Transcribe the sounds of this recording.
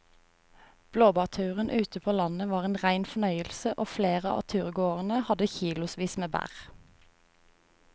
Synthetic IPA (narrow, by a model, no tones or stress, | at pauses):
b̥loːbɑːt̪ʰʉːʁənʔʉːt̪əpʰoːlɑnəʋɑːʁeːnʁæɪnfɔnœʏəlsəʔoːfleːʁəɑ̰ːt̪ʰʉːʁɡoːʁənəhɑd̪əçiːlʊsʋiːsmeːbæ̰ʁ